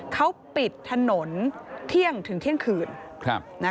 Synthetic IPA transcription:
kʰa˦˥wpi˨˩t̪ʰːa˧no˩˦nt̪ʰi˥˩əŋt̪ʰɯ˩˦ŋt̪ʰi˥˩əŋkʰɯː˨˩nkʰa˧na˦˥

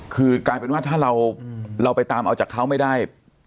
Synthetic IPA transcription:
kʰɯː˧kaː˧jpe˧nwaː˥˩t̪ʰaː˥˩ɾa˧wɾa˧wpa˧jt̪aː˧mʔa˧wt͡ɕaː˨˩kʰːa˦˥wma˥˩jdaː˥˩j

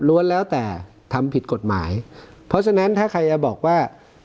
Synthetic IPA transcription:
lu˧˥ənlɛː˦˥wt̪ɛː˨˩ | t̪ʰa˧mpʰi˨˩t̪̚ko˨˩t̪̚ma̰ː˩˦jpʰɔ˦˥t͡ɕʰa˧na˦˥nt̪ʰaː˥˩kʰa˧jːa˧bɔː˨˩k̚waː˥˩

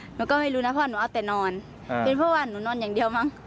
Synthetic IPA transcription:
nuː˨˦kɔ˧˩wma˧˩˨jluː˧˦na˧ɔː˧˨nuː˨˦ʔa˧˩˨t̪ɛː˨˩nɔː˧˩n | pe˨npʰɔ˧˥˨waː˧˨nuː˨˦nɔː˧˥˨njaː˨˩ŋdi˧˨əwma˧˥˨ŋ

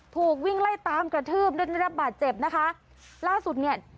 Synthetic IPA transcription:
t̪ʰuː˨˩k̚wi˥˩ŋla˥˩jt̪aː˨˧˦mkɾa˧t̪ʰɯː˥˩m̚du˥˩˨a˥˧ɾa˦˥p̚baː˨˩t̪̚t͡ɕe˨˩p̚na˦˥kʰa˦˥ | laː˥˩su˨˩t̪̚ni˥˩ɐ

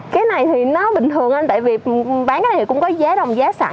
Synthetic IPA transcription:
kaː˨˦jna˨˩jt̪ʰi˨˩nɔ˨˦ɓï˨˩ŋ̟t̪ʰɨ˨˩əŋʔa˧nt̪a̰ː˧˨jvi˨˩ɓaː˨˦nkaː˧˦ja˨˩˨kʊ̰˧˥ŋ͡mkɔ˨˦zaː˨˦ɗə˨˩wŋ͡mzaː˨˦sa̰ː˧˨

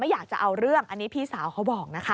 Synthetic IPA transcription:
ma˥˩jaː˨˩k̚t͡ɕa˨˩ʔa˧wɾɯ˥˩əŋʔa˧nːiː˦˥pʰiː˥˩saː˨˩˦wkʰa˦˥wbɔː˨˩k̚na˦˥kʰa˦˥

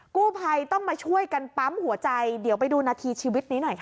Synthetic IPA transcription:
kuː˥˩pʰa˧jt̪ɔ˥˩ŋmaː˧t͡ɕʰu˥˩əjka˧npa˦˥mhu˩˦ɐt͡ɕa˧jdi˨˩˦wp̬a˧jduː˧naː˧t̪ʰiː˧t͡ɕʰiː˧wi˦˥t̪̚niː˦˥nɔ˨˩jkʰa˦˥

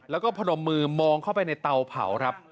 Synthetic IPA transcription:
lɛː˦˥wkɔː˥˩pʰa˧no˩˦mːɯː˧mɔː˧ŋkʰa˥˩wpa˧jna˧jt̪a˧wpʰa̰˩˦wkʰa˦˥p̚

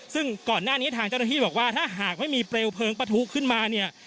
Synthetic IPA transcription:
sɯ˥˩ŋkɔː˨˩nːaː˥˩ni˦˥t̪ʰaː˧ŋt͡ɕa˥˩wna˥˩iː˥˩bɔː˨˩k̚waː˥˩t̪ʰaː˥˩ɦaː˨˩k̚ma˥˩jmiː˧pɾe˧wpʰɤː˧ŋpa˧t̪ʰu˦˥kʰːɯ˥˩nmaː˧ni˥˩ɐ

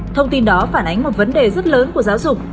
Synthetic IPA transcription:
t̪ʰə˧wŋ͡mt̪i˧nɗɔ˨˦faː˧˩nʔa˨˦jŋ̟mo˨˩t̚və˨˦nɗe˨˩zə˦˥t̚ləː˨˦nku˧˩əzaː˨˦wzʊ˨˩k͡p̚

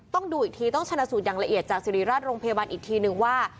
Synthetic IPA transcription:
t̪ɔ˥˩ŋduː˧ʔiː˨˩k̚t̪ʰiː˧t̪ɔ˥˩ŋt͡ɕʰa˧na˧suː˨˩t̪̚jaː˨˩ŋla˧ʔi˨˩ət̪̚t͡ɕaː˨˩k̚si˨˧˩ɾiː˨˩˦ɾaː˥˩t̪̚ɾoː˧ŋpʰa˧ja˧baː˧nʔiː˨˩k̚t̪ʰiː˧nɯ˨ŋwaː˥˩

